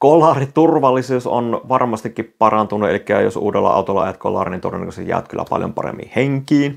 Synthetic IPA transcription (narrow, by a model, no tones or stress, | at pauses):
kolɑːrit̪urʋɑlːisuːso̰nʋɑrmɑst̪ikːippɑrɑnt̪unuelikːæːjosuːdelːɑ̰ʔɑ̰ut̪olːɑʔɑ̰jɑt̪kʰolɑːrinint̪orʋenːkosejæ̰ːʋt̪kylːæpɑljo̰mpɑrḛmːḭheŋkiːn